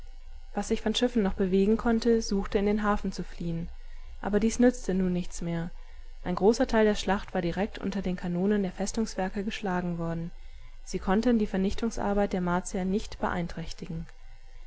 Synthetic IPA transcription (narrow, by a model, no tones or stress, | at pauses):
v̥asz̥ɪçfɔnʃɪfn̩nɔχb̥əveːɡŋ̩kʰɔntəzuːxtəɪndeːnɦaːfn̩t͡sufliːən | ʔa̰ːbɐdiːsnʏt͡stənuːnːɪçt͡smeːɐ | ʔaɪnɡʁoːsɐtʰaɪldeːɐʃlaχtv̥aːɐdiʁɛk̚tʔʊ̰ntɐdeːnkʰanoːnəndeːɐfɛstʊŋsv̥ɛɐkəɡəʃlaːɡŋ̩vɔɐdn̩ | z̥iːkʰɔntəndiːfɛɐnɪçtʊŋsʔa̰ɐbaɪt̚d̥eːɐmaːɐt͡siɐnɪçtb̥əʔa̰ɪntʁ̥ɛçtɪɡŋ̩